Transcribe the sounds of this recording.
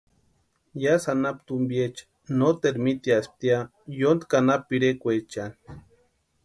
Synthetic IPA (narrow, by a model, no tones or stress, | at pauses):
jasanapt̪umbjet͡ʃḁ | not̪eɾmit̪ias̚t̪ia | jond̪kanapiɾekʷet͡ʃani